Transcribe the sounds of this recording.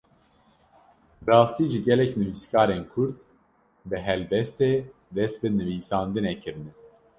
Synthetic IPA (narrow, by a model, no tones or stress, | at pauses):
bɾɑːxst̪iːʒiɡɛlɛknɨviːskɑːɾeːnkʰʊɾt̪ | bɨɦɛlbɛst̪eː | d̪ɛst̪̚bɨnɨviːsɑːnd̪ɨnɛkʰɨɾɨnɛ